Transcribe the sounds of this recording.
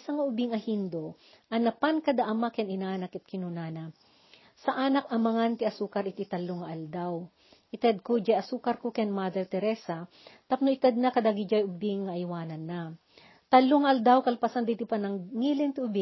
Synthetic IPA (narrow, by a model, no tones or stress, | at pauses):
sɐŋaʔʊbiŋɐhind̪o | ʔɐnɐpankɐd̪aʔɐmakɛnɪnaːnɐkɐt̪̚kɪnunana | sɐʔaːnɐk̚ɐmɐŋant̪ɪʔɐsuːkɐɾʔɪt̪it̪ɐlːoŋɐʔɐld̪aw | ʔɪt̪ɛd̪̚kod͡ʒajɐsuːkɐɾkokɛnmad̪ɛɾt̪ɛɾɛsɐ | t̪ɐp̚noʔɪt̪ad̪̚nakɐd̪aɡɪd͡ʒajʔʊbɪŋːɐʔjwaːnɐnːa | t̪ɐlːoŋɐʔɐld̪awkɐlpasand̪it̪ipɐnɐŋŋiːlɪnt̪ɪʊbɪ